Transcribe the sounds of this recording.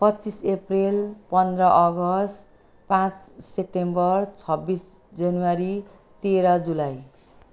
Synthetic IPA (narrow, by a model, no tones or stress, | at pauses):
pʌt͡sːiseprelpʌnd̪rʌʔʌɡʌsʈ | pãt͡ssep̚ʈembʌrt͡sʰʌbis | d͡zʌnuwaɾi | t̪eɾʌd͡zulaj